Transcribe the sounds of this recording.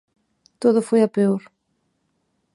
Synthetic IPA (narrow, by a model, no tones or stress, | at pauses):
t̪oðʊfojapeoɾ